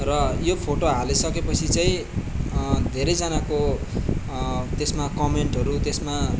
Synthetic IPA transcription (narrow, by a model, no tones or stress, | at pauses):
rʌjopʰoʈoɦalesʌkepʌt͡sʰit͡saĩ | d̪ʱeɾejd͡zanako | t̪esmakʌmeɳʈʌɾut̪esma